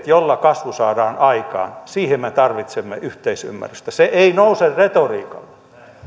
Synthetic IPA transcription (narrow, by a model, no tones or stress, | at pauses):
t̪jolːɑkɑsʋusɑːdɑːnɑikɑ̰ːnsiːhemmet̪ɑrʋit̪semːḛʔyht̪eisy̰mːæ̰ryst̪æseʔeinouserret̪oriːkɑ̰lːe